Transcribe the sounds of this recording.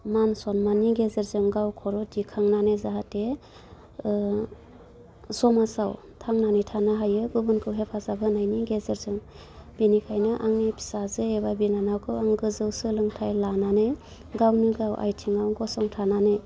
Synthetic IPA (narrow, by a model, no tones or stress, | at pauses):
mansɔnmaniɡezeɾzɯŋɡawkʰɔɾɔdikʰaŋnanezaɦate | sɔmasaw | tʰaŋnanitʰanaɦajɯɡubɯnkʰɯwɦepʰazabɯnajniɡezeɾzɯŋ | b̥inikʰajnɯʔaŋnipʰi̥sazɯebabinanawkʰɯwaŋɡɯzɯwsɯlɯŋtʰajlanane | ɡawnɯɡawʔa̰jtʰiŋawɡɔsɔŋtʰananɯ